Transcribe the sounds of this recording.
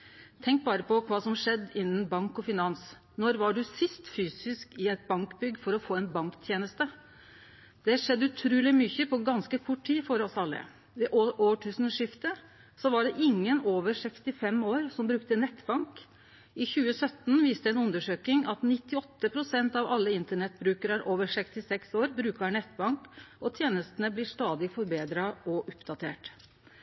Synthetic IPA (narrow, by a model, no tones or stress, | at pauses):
t̪ʰɛŋk̚bɑːɾəpɔkʰʋɑːsɔmʂɛd̪ːɪnːən̩bɑŋkɔfɪnɑns | nɔɾʋɑɖʉsɪst̪fyːsɪskɪɛt̪̚bɑŋkbʏɡːfɔɾɔfoːɛnbɑŋkt̪ʰjeːnəst̪ə | d̪̥ɛʂɛd̪ːəʉt̪ʰɾʉːlɪmʏçəpʰɔɡɑnskəkʰʊʈʰiːfɔɾɔsɑlːə̰ | ʋɛʔoʔoːʈʰʉːsn̩ʂɪft̪ə | sɔʋɑɖɛʔɪŋːənoːʋəɾʂɛkst̪ɪfɛmoːɾsɔmbɾʉkt̪ənɛt̪ːbɑŋk | ɪçʉːəsœt̪nʋiːst̪əɛnʉnd̪əʂøːkɪŋɑt̪nɪt̪ːɪɔt̪ːəpʰɾʊsɛnt̪ɑʋɑlːəɪnt̪əɳɛt̪̚bɾʉːkəɾæɾʔoːʋəɾʂɛkst̪ɪsɛksoːɾbɾʉːkɑɳɛt̪ːbɑŋkɔt̪ʰjeːnəst̪ənəblɪʂt̪ɑːd̪ɪfɔɾbeːd̪ɾɑʔɔʔʊpd̪ɑt̪ʰḛːʈ